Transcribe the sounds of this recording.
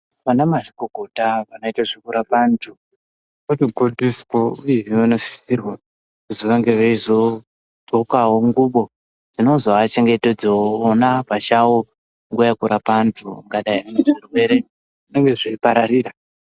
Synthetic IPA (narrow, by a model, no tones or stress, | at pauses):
ʋanamaʐikoɡʱotaʋanoitaʐikuɾapantʰu | kutiɡʱondifkoujeianoʃi̥sirwa | kuziʋaŋɡe̞ʋeizo | ɡokaɦoŋɡuɓo̞ | d͡zinozoat͡ʃe̞ŋɡe̞ted͡zeoːnapat͡ʃawo | ŋɡujakuɾapantʰṵŋɡaɗaianeidukweɾe | ʐʐineŋɡe̞ʐiipaɾaɾiːɾa